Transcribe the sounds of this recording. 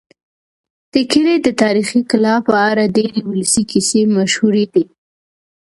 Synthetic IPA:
t̪əkɪɾed̪ət̪ɑɾixikɪlɑpəaɾadeɾewʊləsikisemaʃhuɾed̪i

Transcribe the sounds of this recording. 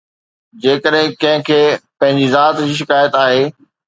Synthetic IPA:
d͡ʑeːkəɗɦɪ̃kɐ̃ɦɪ̃kʰeːpɐ̃ɦɪ̃ɲd͡ʑizaːt̪iʃ̬ɪkaːjət̪aːɦeː

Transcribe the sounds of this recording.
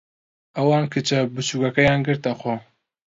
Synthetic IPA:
ʔɐwɑːnkʰɨt͡ʃɐbɨt͡ʃʰuːkɐkɐjaːnɡɨɾt̪ɐxo

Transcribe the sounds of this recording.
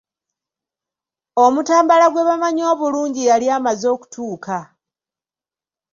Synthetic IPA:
o̞mutaːmbalaɡwe̞βamaɲo̞ːβuluːɲɟijaliaːmazo̞ːku̥tʰuːkʰa

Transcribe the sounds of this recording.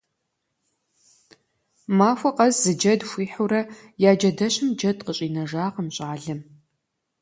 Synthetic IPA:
maːfʷɐqʼɐzzɨd͡ʒɐdxʷiːħuɾɐ | jaːd͡ʒɐdɐɕɨmd͡ʒɐdqəɕʼiːnɐʒaːʁəmɕʼaːɮɨm

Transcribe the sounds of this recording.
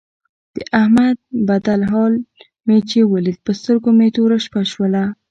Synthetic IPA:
d̪̥əʔahmad̪̚bad̪alɦɑl | met͡ʃewəlid̪̚pəst̪əɾɡomet̪oɾaʃpaʃwəla

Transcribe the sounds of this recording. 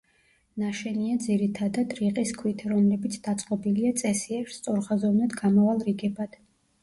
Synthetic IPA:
naʃɛniad̪ziɾit̪ʰad̪ad̪ɾiqʼiskʰwit̪ʰɾɔmlɛbit̪sʰd̪̥at̪sʼqʼɔbiliat̪sʼɛsiɛɾst̪sʼɔɾχazɔvnad̪ɡamavalˠɾiɡɛbad̪̥

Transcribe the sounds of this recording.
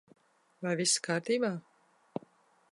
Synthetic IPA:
vajviskaːɾt̪iːbaː

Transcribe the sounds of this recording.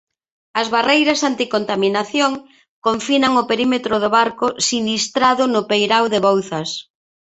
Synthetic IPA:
ɐzβarejɾɐsant̪ikont̪aminaθjoŋ | koɱfinɐŋʊpeɾimet̪ɾʊðʊβaɾkʊsinist̪ɾaðʊnʊpejɾawðeβowθɐs

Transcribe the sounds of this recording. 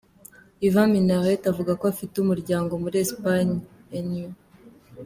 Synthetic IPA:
ivãminaʁetavuɡakoafiteumuɾɟaːŋɡo̞muɾiespaɲienu

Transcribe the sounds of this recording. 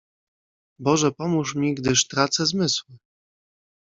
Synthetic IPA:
bɔʐɛpɔmuʂmʲiɡd̪ɘʂt̪ɾat̪sɛzmɘswɘ

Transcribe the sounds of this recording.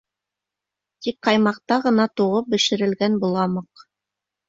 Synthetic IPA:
t̪ikqɑjmɑq̚t̪ɑʁɤ̆nɑt̪uʁɤp̚bɘ̆ʃɘ̆ɾɘ̆lɡænbulˠɑmɤq

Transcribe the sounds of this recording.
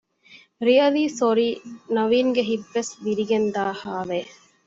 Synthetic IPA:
ɾiɐliːsoɾiːnɐʋiːŋɡeɦibːesʋiɾiɡend̪aːhaːʋeː

